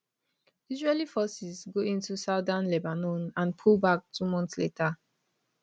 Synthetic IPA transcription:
izɹelifɔsizɡoĩntusaʊdãnlebanɔ̃nãnpʰulˠbak̚tʰumɔ̃ntsletʰa

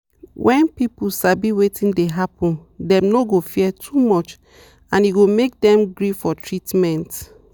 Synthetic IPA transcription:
wʔɛ̃npipusabiwetʰĩndeɦapɔ̃ndɛ̃mnoɡofiɛtʰumɔt͡ʃ | ãniɡomek̚dɛ̃mɡɹifɔtʰɹitmɛ̃nt

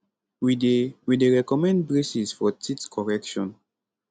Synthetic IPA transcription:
widewideɹɛkɔmɛ̃nd̚bɹesisfɔtʰitkʰɔɹɛkʃɔ̃n

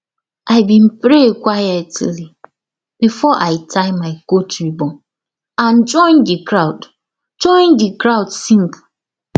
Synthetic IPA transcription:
ʔaɪbĩn̩pɾekʷajɛtili | b̥ifɔʔaɪtʰaɪmaɪkot͡ʃibɔ̃ | ãn̩d͡ʒɔ̃ɪ̃ndikɾaʊd | d͡ʒɔ̃ɪ̃ndikɾaʊdsĩŋk

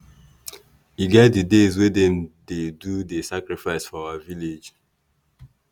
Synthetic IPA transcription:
iɡɛt̚didezwedɛ̃mdedudesakɹifaɪsfɔawaviled͡ʒ

